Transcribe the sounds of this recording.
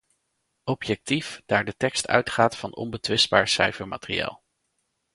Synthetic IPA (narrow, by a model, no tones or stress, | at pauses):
ɔpjɛk̚tifd̥aːɹdətɛkstœ̰ɥtχaːtfɑnɔ̰nbətʋɪsbaːɹsɛjfəɹmaːtərḭa̰ːlˠ